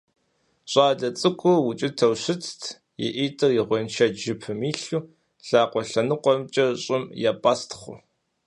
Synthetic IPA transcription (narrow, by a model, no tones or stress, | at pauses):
ɕʼaːɮɐt͡sʼɨkʷʰʼʊwʊt͡ʃʼɪtʰɐwɕɪt͡sʰtʰ | jɛ̰ʔiːtʼɨrjɪʁʷɔnʃʰɐʒɪpʰɨmiːɬuː | ɬaːqʷʼɔɬɐnɨqʷʼɔmt͡ʃʼɐɕʼɪmjapʼaːstʰχʷʊ̰